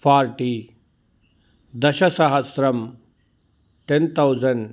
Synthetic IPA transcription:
pʰaːɾʈi | d̪ɐʃɐsaɦɐsɾɐm | ʈent̪ʰawzɐn

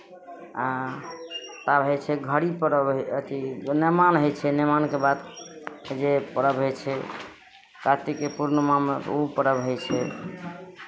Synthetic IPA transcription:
a | t̪abɦəjt͡ʃʰɛɡʱəɽipəɾəbət̪inemanɦojt͡ʃʰɛnemankebad̪ | d͡ʒepəɾəbɦojt͡ʃʰɛ | kat̪ikepuɾnəmameupəɾəbɦojt͡ʃʰɛ

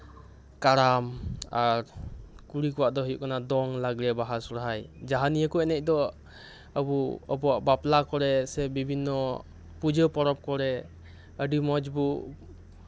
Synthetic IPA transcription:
kaɾamaɾkuɽikɔwaʔd̪ɔɦəjṵʔkanad̪ɔŋlaɡɾɛbaɦasɔɾɦajd͡ʒaɦanijəkɔɛnɛc̚ˀd̪ɔ | əbuəbɔwaʔbaplakɔɾɛsɛbibʱinːɔ | pud͡ʒəpɔɾɔp̚kɔɾɛ | əɖimɔd͡ʒbu

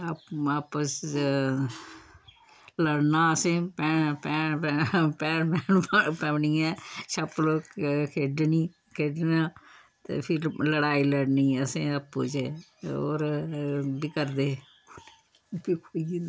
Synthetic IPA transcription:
aːpəs | ləɽnaːəsẽːpɛːpɛː | pɛːɳpɛːɳpɛ̃ːʋniːɛːʃəploːkkʰeːɖniː | kʰeːɖnãː | t̪ḛːpʰɪɾləɽaːiːləɽniːəsẽːəpːṵːt͡ʃe | o̰ːɾ | bɪkəɾd̪eː | pikʰoiɡi

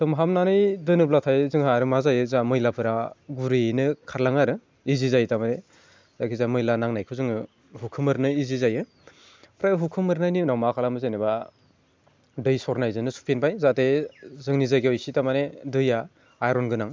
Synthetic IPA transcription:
tɯmɦamnanɯjdɯnɯblatʰajzɯŋɦaɾɯmazajɯzamɯjlapʰɯɾaɡuɾɯnɯkʰaɾlaŋaɾɯ | izizajtamane | z̥akʰizamɯjlanaŋnajkʰɯzɯŋɯ | ɦukʰɯmɯɾnɯizizajɯ | pʰɾajɦukʰɯmɯɾnajninawmakʰalamɯzeneba | dɯjsɔɾnajzɯnɯsu̥pʰenpʰajzatezɯŋnizajɡeɔjsitamanedɯja | ajɾɔnɡɯnaŋ

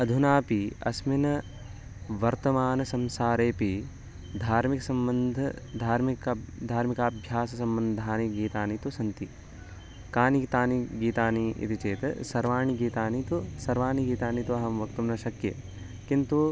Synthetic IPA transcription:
ɐd̪ʱunaːpiɐ̰sminɐ | ʋɐɾt̪ɐmaːnɐsɐmsaːɾeːpi | d̪ʱaːɾmiksɐmbɐnd̪ʱɐd̪ʱaːɾmikd̪ʱaːɾmikaːbʱjaːsɐsɐmbɐnd̪ʱaːniɡiːt̪aːnit̪usɐnt̪i | kaːnikt̪aːniɡiːt̪aːniʔḭt̪ʰit͡ʃeːt̪ɐsɐɾʋaːɳ̃iɡiːt̪aːnit̪usɐɾʋaːɳiɡiːt̪aːnit̪uɐɦɐmʋɐkt̪ɐmnɐʃɐkjḛ | kint̪u

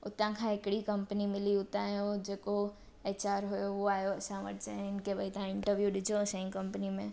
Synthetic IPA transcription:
ʊ̰t̪ãkʰãɪkɽikɐmpənimɪliʊt̪ãːɦjod͡ʒeːko | et͡ʃaːɾɦojoʋoaːjoɐsãʋə̰ʈ̚ʰt͡ʃeɪnkebʱɐit̪ãɪ̃ɳʈəɾʋjuɗɪd͡ʒosə̃ĩŋkɐmpnimẽ

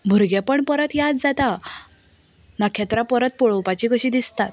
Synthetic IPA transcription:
bʱuɾɡjapəɳpəɾət̪jad͡zd͡zat̪a | nakʰat̪ɾapəɾət̪̚poɭəwpat͡ɕikəɕiːd̪ist̪at̪̚

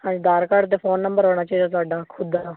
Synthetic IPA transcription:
hãːd͡ʒid̪aːɾkaɽt̪̬eːpʰoːnːə̃mbəɾɦoːɽ̃aːt͡ʃəid̪aːs̬aːɖaːkʰʊd̪

